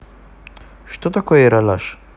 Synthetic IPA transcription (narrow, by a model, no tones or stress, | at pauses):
ʃt̪ot̪akoɛɾalaʃ